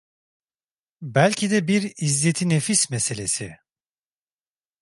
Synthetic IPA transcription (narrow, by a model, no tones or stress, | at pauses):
bælʲcʰid̪ɛbiɾizːet̪ʰinefismese̞lʲesi